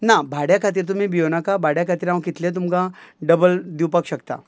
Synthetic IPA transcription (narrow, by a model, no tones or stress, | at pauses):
nabʱaɽjakʰat̪̬iːɾt̪̬um̤ĩbijonakabʱaɽjakʰat̪iːɾãwkit̪lẽt̪̬umkã | ɖəbəld̪iwpakɕəkt̪a̰